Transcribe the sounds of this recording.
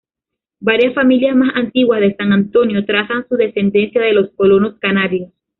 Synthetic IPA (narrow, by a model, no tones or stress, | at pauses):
baɾjasfamiljasmasant̪iɣwazðe̞saŋant̪o̞njo̞t̪ɾasansuðe̞se̞nd̪e̞nsjaðe̞lo̞sko̞lo̞no̞skanaɾjos